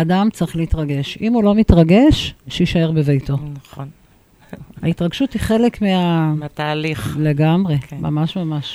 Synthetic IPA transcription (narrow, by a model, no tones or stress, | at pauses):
damt͡sʁiχleitʁaɡe̞ʃimulo̞mitʁaɡe̞ʃʃeiʃae̞ʁbevejto̞naχon | aitʁaɡʃuthiχe̞lekmeat̪aːliχle̞ɡamʁe̞ma̰maʃmamaʃ